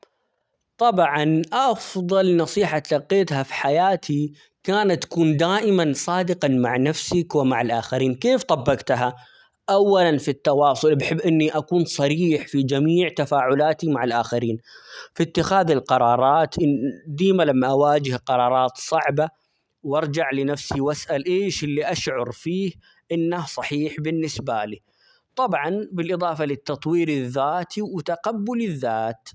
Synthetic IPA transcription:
t̪ˤɑbʕɑnʔɑfðˤɑlnɑsˤiːħat̪lɑqːeːt̪hafi̥ħajaːt̪ʰi | kaːnat̪ːḁkuːnd̪aːʔɪmansˤɑːd̪ɪqɑmaʕnafsɪkwɪmaʕalʔaːxaɾiːnkeːft̪ˤɑbːɑɡt̪ɦa | ʔawːalanfit̪ːɑwɑːsˤʊlbɪħɪbːʔɪnːiʔakuːnsˤɑɾiːħfid͡ʒamiːʕt̪afaːʕʊlaːt̪imaʕalʔaːxaɾiːnfit̪ːɪxaːðɪlqɑɾˤɑːɾˤɑːt̪ʔɪd̪iːmalamːaʔawaːd͡ʒɪhqɑɾˤɑːɾˤɑːt̪sˤɑʕba | wʔɑɾˤd͡ʒaʕlɪnafsiwasʔalʔeːʃɪlːiʔaʃʕʊɾˤfiːh | ʔɪnːahsˤɑħiːħbɪnːɪsbaliː | t̪ˤɑbʕɑnbɪlʔɨðˤɑːfɑlɪt̪ːɑt̪ˤwiːɾɪðːaːt̪ʰiwɪt̪aqabːʊlɪðːaːt̪

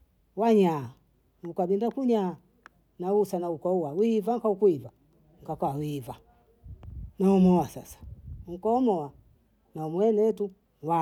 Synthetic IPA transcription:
waɲa | ukaɓindakuɲaː | nausanaukauwawivaŋkaukuiva | ŋ̩kakaawiva | naɔmɔwasa̰sḁŋ̩kɔːmɔwa | naumwɛnɛtu | wa

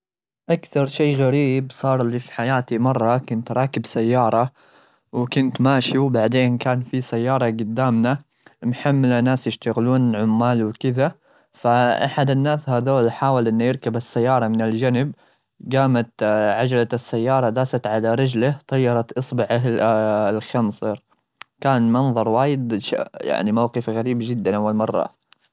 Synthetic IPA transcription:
ʔakθɑɾˤʃeːɣaɾiːbsˤɑːɾˤɪlːifi̥ħajaːt̪imɑrˤːɑkʊnt̪ɾˤɑːkɪbsajːɑːɾˤɑ | wkʊnt̪maːʃiwbaʕd̪eːnkaːnfisajːɑːɾˤɑɡʊd̪ːaːmna | mħamːlanaːsjɪʃt̪aɣluːnʕʊmːaːlwkɪða | faʔa̰ħad̪ɪnːaːshaːðoːlħaːwɪlʔɪnːujɪɾkabasːajːɑːɾˤɑmɪnɪld͡ʒanɪb | ɡaːmat̪ʕad͡ʒlat̪ɪsːajːɑːɾˤɑd̪aːsat̪ʕalaɾˤɑd͡ʒlat̪ˤɑjːɑɾˤɑt̪ʔɨsˤbɪʕaɪlxɑmsˤɨɾ | kaːnmɑnðˤɑɾˤwaːjɪd̪ʃa̰ja̰ʕnimawqɨfɣaɾiːbd͡ʒɪd̪ːanʔawːalmɑrˤːɑ̰

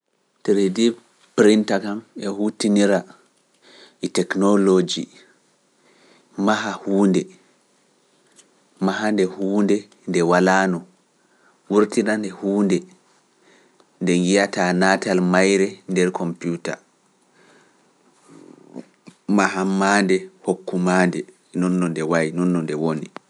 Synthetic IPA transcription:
tɛɾedi | pɾintakamɛhutiniɾa | ʔitɛknɔlod͡ʒi | maɦahuːndɛ | maɦandɛhuːndɛ | ndɛwalaːnɔ | wuɾtinandɛhuːndɛ | ndɛŋɡijataːnatalmajɾɛndɛɾkʰɔmputa̰ | maɦamːaːndɛhokːumaːndɛ | nɔnːɔndɛwajnɔnːɔndɛwoni

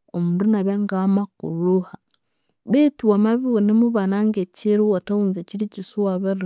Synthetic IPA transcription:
omuɾunaβeŋɡamakṵɾuha | βetiwamaβiwonimuβanaŋɡeciɾuwatauːnzeciɾicisuwaβiɾ

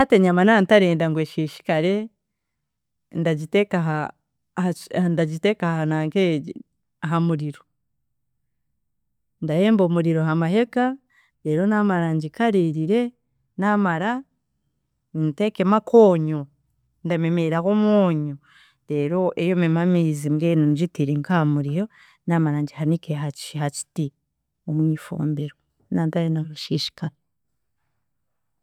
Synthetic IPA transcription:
hateɲamanantaɾeːndaŋɡweʃiːʃi̥kaɾe̞ | ndaɟitekaɦa | ndaɟitekahanaːŋke | aɦamuɾiɾo | ndaje̞ːmbomuɾiɾo̞hamaɦe̞ka | le̞ːɾo̞namaɾaɲɟikaɾiɾiɾe̞ | namaɾa | initekemakʰoːɲo | ndame̞meɾakomwoːɲo | ɾe̞ːɾo̞ʔejome̞mamiːzimɡeːnonid͡ʒitiɾiŋkamuɾiɾo | namaɾaːɲɟihanikeɦat͡ʃhaci̥ti | omwiːfo̰ːmbeɾo | naːntajenaɾuʃiʃi̥ka

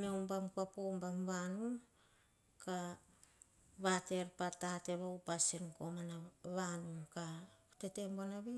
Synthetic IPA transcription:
mewmbamkuapombamβanum | ka | βate̞ɾpatate̞βawpasinko̞manaβanumkate̞te̞mbonaβe

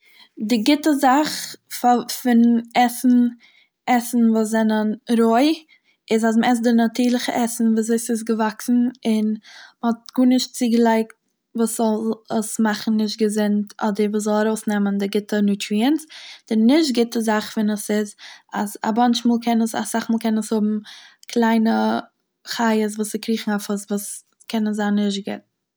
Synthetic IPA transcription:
dɪɡɪtəzaχfafɪnɛsn̩ | ɛsn̩vuːs̬zɛnənɾoɪ | ɪzas̬məɛs̬dɪnatiːɾlˠɪχəʔɛsn̩vuːzoɪsɪs̬ɡəvaksn̩ɪnməhɔt̚ɡ̥uːnɪʃt̚t͡siːɡəlˠaɪkt | vuːsz̥ɔlˠəsmaχn̩nɪʃt̚ɡəzɪntʰɔdəɾvuːzɔlˠaɾoʊsnɛməndɪɡɪtənutʰɾiənsd̥ɪnɪʃ̬tɡɪtəzaχfɛnəsɪzaza̰bant͡ʃmuːlˠkʰɛnəsa̰saχmuːlˠkʰɛnəshʊbm̩kʰlˠaɪnə | χaɪəs̬vuːsɪkʰɾiːχŋ̩afəsvuːs | kʰɛnəzaːnːɪʃt̚ɡɪ̰t̚

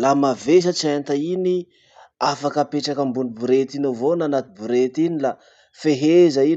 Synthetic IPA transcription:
lamaves̬at͡sient̪aini | afakəpeʈ͡ʂakəmbunibuɾet̪inovonanat̪ibuɾet̪inila | feɦezai

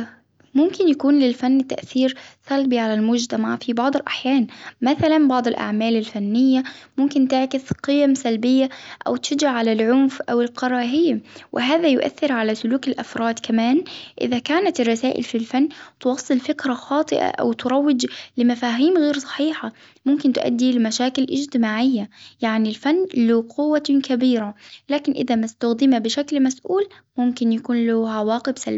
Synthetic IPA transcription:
mʊmkɪnjakuːnlɪlfanːt̪a̰ʔθiːɾsalbiʕalalmʊd͡ʒt̪amɑʕfibɑʕd̪ˤɪlʔa̰ħjaːnmaθalanbɑʕd̪ˤɪlʔa̰ʕmaːlɪlfanːɪjːamʊmkɪnt̪ɪʕkɪsqɨjamsalbɪjːaʔa̰wt̪ʃad͡ʒaʕʕalalʕʊnfʔawɪlqɑɾˤɑːɦiːmwʔɪ̰ɦaːðajʊ̰ʔa̰θːɪɾʕalasʊluːkɪlʔafɾˤɑːd̪kamaːnʔɪ̰ðakaːnat̪ɪrˤːɑsaːʔɪ̰lfilfanːt̪wɑsˤːɨlfɪkɾaxɑːt̪ˤɨʔa̰ʔa̰wt̪ʊɾˤɑwːɪd͡ʒlɪmafaːɦiːmɣeːɾsˤɑ̥ħiːħa | mʊmkɪnt̪ʊʔa̰d̪ːilɪmaʃaːkɪlʔɪd͡ʒt̪ɪmaːʕɪjːajaʕnilfanːlʊqʰʊwːakabiːɾalaːkɪnʔɪ̰ðamast̪ʊɣd̪ɪmabɪʃaklmasʔuːl | mʊmkɪnjakuːnlʊʕawaːqɪbsalb

